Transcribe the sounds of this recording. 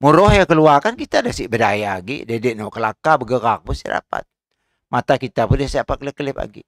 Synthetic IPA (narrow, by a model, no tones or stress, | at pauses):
muɾɔhjakəluakankit̪adasibədajaːɡḭdɛdɛʔnɔʔkəlakabəɡəkak̚busḭda̰pa̰t̪̚ | mat̪akit̪apundasapakələkːəlɛpa̰ɡḭ